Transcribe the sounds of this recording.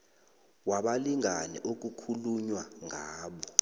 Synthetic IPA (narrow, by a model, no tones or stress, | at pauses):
waɓaliŋanɛ̰ʔok̬ukʰuluɲwaŋʱaːɓɔ